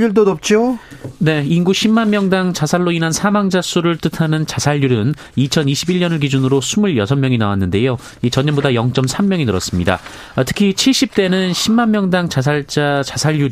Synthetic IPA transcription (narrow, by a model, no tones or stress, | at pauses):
uɭd̬onop̚t͡ɕ͈one̞inɡuɕʰimːanmjʌŋdaŋt͡ɕasʰaɭːoinansʰamaŋd͡ʑas͈uɾɯɭt͈ɯtʰanɯnt͡ɕasʰaʎːuɾɯn | it͡ɕʰʌniɕʰibiɭɲʌnɯɭk̬id͡ʑunɯɾosʰumuɭjʌsʰʌmːjʌŋinawanːɯnde̞jo | it͡ɕʌɲːʌmbodajʌŋt͡ɕ͈ʌmsʰamːjʌŋinɯɾʌs͈ɯmɲida̰ | tʰɯ̥kʰit͡ɕʰiɭɕ͈ip̚t͈e̞nɯnɕʰimːanmjʌŋdaŋt͡ɕas̬ʰaɭt͡ɕ͈at͡ɕasʰaʎjuɾ